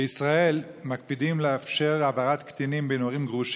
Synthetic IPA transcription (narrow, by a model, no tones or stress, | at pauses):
eisʁael | mak̚pid̪imleafʃe̞ʁabaʁat̪kt̪inimbenoaʁimɡʁuʃ